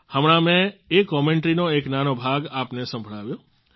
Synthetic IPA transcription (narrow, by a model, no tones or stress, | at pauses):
həmɽãmẽekːɔmeɳʈɾinoeknanobʱaɡapnesə̃mbʱɭaʋjo